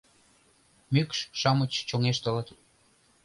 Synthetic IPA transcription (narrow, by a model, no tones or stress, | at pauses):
mykʃʃɑmət͡ɕt͡ɕoŋeʃt̪ə̆lə̆t̪